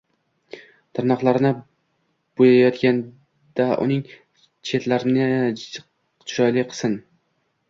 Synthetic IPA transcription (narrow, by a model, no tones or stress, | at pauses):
t̪ʰaɾnɒqlˠaɾnɪ | b̥ojajɒt̪kʲan | d̪̥aʔʊ̰nɪŋ | t͡ʃʰe̞t̪laɾɪnɪ | ʃɒjlɪqʰɨ̥sɨn